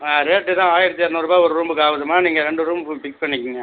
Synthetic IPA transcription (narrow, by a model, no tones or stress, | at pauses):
aːɾeːʈːɯt̪ãːaːjɪɾɯt̪ːeːɾnɐɾɯbaːɔɾɯɾuːmbɯkːaːʋɐðɐmaːniːŋɡɐɾɛɳɖɯɾuːmbpɪk̚pɐɳːɪkʲːɪŋɡɐ